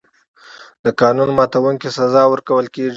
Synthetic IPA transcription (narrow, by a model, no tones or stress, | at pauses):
d̪əkɑnunmɑt̪awuŋkesazɑwəɾkawəlkeʐi